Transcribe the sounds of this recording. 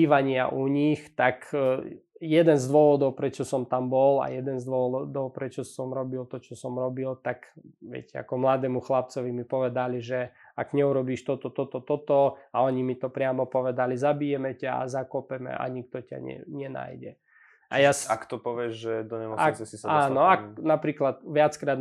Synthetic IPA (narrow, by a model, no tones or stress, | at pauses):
iːʋaɲɪa̰ʔuɲixt̪ak | jɛd̪ɛnzd̪ʋɔʋɔd̪ɔʊpɾɛt͡ʃɔsɔmt̪ambɔla̰jɛd̪ɛnzd̪ʋɔʋɔd̪ɔʊpɾɛt͡ʃɔsɔmɾɔbilt̪ɔt͡ʃɔsɔmɾɔbilt̪akʋɛ̰cʲɛa̰kɔmlad̪ɛːmuxlap̚t͡sɔʋimipɔʋɛd̪aliʒɛ | aɡɲɛuɾɔbiːʃt̪ɔt̪ɔt̪ɔt̪ɔt̪ɔt̪ɔaɔɲimit̪ɔpɾɪamɔpɔʋɛd̪alizabijɛmɛcaa̰zakɔpɛmɛ̰ʔa̰ɲik̚t̪ɔca̰ɲɛ̰ɲɛna̰jɟɛ̰ | ʔa̰jasakt̪ɔpɔʋɪɛʒʒɛd̪ɔɲɛmɔasɛsisaaːnɔaknapɾiːklat̪ʋɪat͡skɾaːd̪